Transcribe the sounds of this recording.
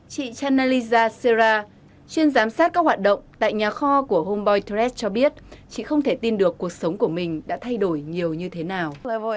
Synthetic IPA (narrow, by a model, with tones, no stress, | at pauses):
t͡ɕḭ˧˨t͡ɕaː˧na˧li˧zaː˧se˧zaː˧ | t͡ɕwi˧ənzaː˨˦msaː˦˥t̚kaː˦˥k̚hwaː˨˩t̚ɗə̰˧˨wŋ͡mt̪a̰ː˧˨jɲaː˨˩xɔ˧ku˧˩əho˧mɓɔ˧jt̪zɛ˦˥s̚t͡ɕɔ˧ɓi˦˥ət̚t͡ɕḭ˧˨xə˧wŋ͡mt̪ʰe˧˩t̪i˧nɗɨ˨˩əkːu˨˩ək̚sə˨˦wŋ͡mku˧˩əmï˨˩ŋ̟ɗa̰ː˧˥t̪ʰa˧jɗo˧˩jɲi˨˩əwɲɨ˧t̪ʰe˨˦naː˨˩w